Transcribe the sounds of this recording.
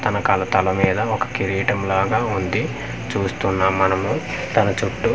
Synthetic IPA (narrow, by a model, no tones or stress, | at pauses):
t̪ɐnɐkɐlɐt̪ɐlɐmiːd̪ɐɔkɐ̥kiɾiːʈɐmlaːɡaːund̪i | t͡ʃuːst̪unːaːmːɐnɐmu | t̪ɐnɐt͡ʃuʈːu